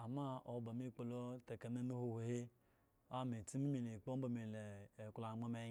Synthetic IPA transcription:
a˨ma˦o˨ba˨mi˦˨k͡po˨lo˦te˨ke˨me˦no˦ho˦he˨he˦ | a˦˨mi˨ti˦mi˦mi˨ne˨k͡po˦m˦ba˨mi˨le˨kla˨mo˦me˦

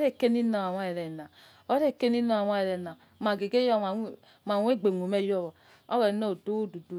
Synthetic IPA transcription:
ɾe˦˨ke˦ni˦na˨wa˨wa˦e˨ɾɛ˨na˨ | o˦ɾe˦˨ke˦ni˦no˦a˨wa˦e˨ɾɛ˨na˨ma˨ɡe˨ɡe˦jɔ˦˨a˨˦˨ | ma˨wʷe˦˨ɡ͡be˨ŋo˨me˦jɔ˦˨βɔ˨ | o˦wɛ˨no˦˨do˦wo˦du˨du˨

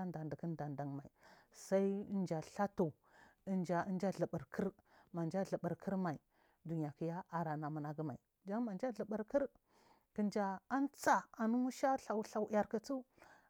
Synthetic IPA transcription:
nda˨ndə˨kə˦n˦da˨nda˨ŋma˨i˨ | sa˦i˦nd͡ʒa˨ɬa˦tu˨ | ə˦nd͡ʒa˨ə˦nd͡ʒa˦ɮə˨ɓə˨ɾkʰə˦ɾma˨nd͡ʒa˦ɮə˨ɓə˨ɾkʰə˦ɾma˨i˨ | du˨n˨a˨ki˦ja˦a˨ɾa˨na˨mə˨na˨ɡə˦ma˨i˨ | d͡ʒa˦ŋma˨nd͡ʒa˦ɮə˨ɓə˨ɾkə˦ɾ | kə˨nd͡ʒa˨a˦nt͡sa˨a˨nu˦mu˦ʃa˦ɬa˨wɬa˨wja˨ɾkə˨t͡su˦

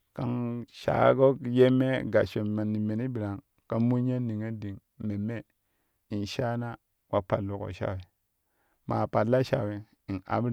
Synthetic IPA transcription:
ka˦ŋʃa̰˨˦ɡo˦ɡje˦me˦ɡa˨ʃo˨ma˨ni˨me˨ni˦bi˨ɾa˨ŋ | ka˦mu˦ɲe˦ni˨ŋe˦di˨ŋ | me˨me˦ | i˨nʃa˦na˦ | wa˦pa˨lːu˨ko̰˨ʃa̰˦˨we˨ | ma˨pa˨lːa˦ʃa̰˨we˨ | i˨na̰˨˦bɾ

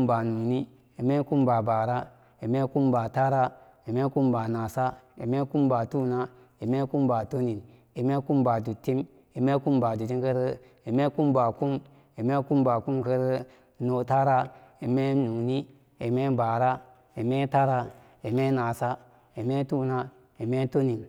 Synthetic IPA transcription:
ba˨nu˨ni˦ | i˨me˦ku˦mba˨ba˨ɾa˦ | i˨me˦ku˦mba˨ta˦ɾa˦ | i˨me˦ku˦mba˨na˨sa˦i˨me˦ku˦mba˨tu˦na˦ | i˨me˦ku˦mba˨to˦ni˨n | i˨me˦ku˦mba˨du˨tːi˦m | i˨me˦ku˦mba˨du˨ti˦mkə˦ɾ | i˨me˦ku˦mba˨ku˦m | i˨me˦ku˦mba˨ku˦mkə˦ɾ | no˨ta˦ɾa˦i˨me˦nu˨ni˦ | e˨me˦ba˨ɾa˦ | i˨me˦ta˦ɾa˦ | i˨me˦na˨sa˦ | i˨me˦tu˦na˦ | i˨me˦to˦ni˨n

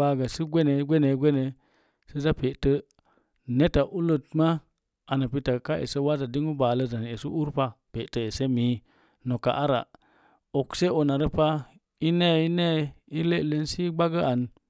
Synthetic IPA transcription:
a˦ɡa˨si˦ɡʷe˦ne˨˦ɡʷe˦ne˨˦ɡʷe˦ne˨ | sə˦za˦pe˨tə˦ | ne˦ta˨ʔu˦lə˦t̚ma˦ | a˨na˨pi˦ta˨ka˦ʔḛ˨sə˦wa˦za˨di˦ŋu˦ba˨lə˦za˨n˨e˨su˦ʔu˦ɾpa˦pe˨tə˦e˨se˦mi˨˦ | no˨ka̰˨ʔa˦ɾa̰˨ | o˨kse˦o˨na˨ɾə˦pa˦ | i˦ne˦˨i˦ne˦˨i˦le˦˨le˦nsi˦ɡ͡ba˦ɡə˦a˨n

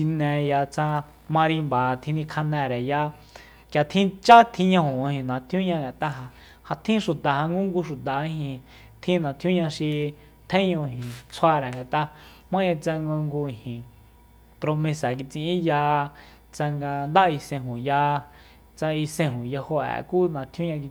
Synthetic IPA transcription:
ʃi˧nɛ̃˧ja˧t͡sã˧ | mã˧ɾĩ˧mba˨t̪ʰĩ˧nĩ˧kʰa˧nɛ̃˧ɾɛ˨ja˧ | kja˨t̪ʰĩ˦t͡ʃa˦t̪ʰĩ˧ɲã˧hũ˨˧hĩ˧nã˨t̪ʰjũ˦ɲã˧ŋɡa˨t̪a˦ɦa˧ | ha˧t̪ʰĩ˦ʃu˨t̪a˨ha˧ŋɡu˦ŋɡu˧ʃu˨t̪a˨i˧hĩ˧ | t̪ʰĩ˦nã˨t̪ʰjũ˦ɲã˧ʃi˧ | t̪ʰẽ˦ɲõ˧ɦĩ˨t͡sʰa˧ɾɛ˨ŋɡa˨t̪a˧ | mã˦ã˧t͡sa˧ŋɡo˧ŋɡu˧i˨hĩ˨ | pɾo˧mẽ˧sa˨ki˧t͡sĩ˧ĩ˦ja˧ | t͡sa˧ŋɡa˧nd̪a˦˧i˧sẽ˧ɦũ˨ja˧ | t͡sa˧i˧sẽ˧ɦũ˨ja˧ho˧ɛ̰˨ku˦nã˨t̪ʰjũ˦ɲã˧k̬i˧

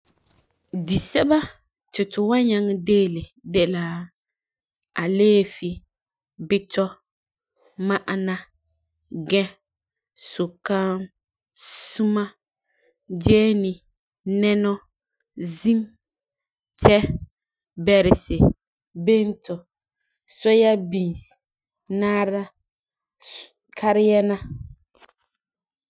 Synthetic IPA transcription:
di˨sɛ˦ba˦ | tʊ˨tʊ˨wa˦ɲa˦ŋ˦deː˦lɪ˨dɛ˦la˨ | a̰˨leː˦fi˨ | bɪ˦tɔ˦ | ma˦ʔa˨na˦ | ɡɛ̃˦ | sʊ˨ka˦m | su˦ma˦ | d͡ʒɛː˦ni˨ | nɛ˦nɔ˦ | zi˦m | tʰɛ˦ | bɛ˨ɾɪ˨sɪ˨ | be˦n˦tɔ˨ | sɔ˦ja˦bĩ˨s | naː˦ɾa˦ | kʰa˦ɾɪ˦jɛ˦na˦

